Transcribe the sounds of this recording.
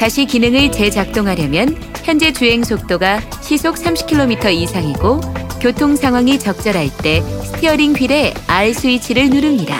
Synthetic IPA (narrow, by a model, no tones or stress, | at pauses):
taɕʰikinɯŋɯɭt͡ɕe̞t͡ɕak̚t͈oŋɦaɾjʌmjʌn | çjʌnd͡ʑe̞t͡ɕuɦe̞ŋsʰok̚t͈oɡa | ɕʰisʰok̚s͈ʰamɕʰi̥kʰiɭːomitʰʌisʰaŋiɡokjotʰoŋsʰaŋɦwaŋit͡ɕʌk̚t͡ɕ͈ʌɾɦaɭt͈e̞sʰɯ̥tʰiʌɾiŋɸʰiɾe̞aɭs͈ɯit͡ɕʰiɾɯɭnuɾɯmɲida̰